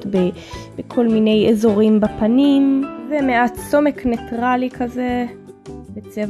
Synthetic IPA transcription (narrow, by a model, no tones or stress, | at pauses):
tbe | bekʰo̞lmine̞jezo̞ʁimbapanimzemeatso̞me̞knetʁalikʰaze | bet͡sev